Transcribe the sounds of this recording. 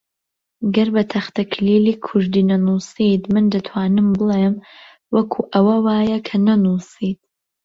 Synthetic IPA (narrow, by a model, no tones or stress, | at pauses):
ɡɐɾbɐt̪ʰɐxt̪ʰɐkʰliːliːkʰʊʒd̪iːnɐnuːsiːt̪mɨnd̪ɐt̪ʰwaːnɨmbɨlˠeːm | wɐkʰuːʔɐwɐwaːjɐkʰɐnɐnuːsiːt̪̚